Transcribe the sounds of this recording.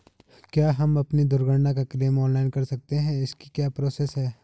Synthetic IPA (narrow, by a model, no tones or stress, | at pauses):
kjaːɦɐmɐpnid̪ʊɾɡəɽnakakɾeːmɔːnlaːɪnkɐɾsɐk̚t̪eɦɛ̃ɪskikjaːpɾoːseːsɦɛː